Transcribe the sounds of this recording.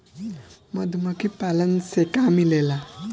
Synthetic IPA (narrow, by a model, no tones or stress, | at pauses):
məd̪ʱməkipalənsekamilela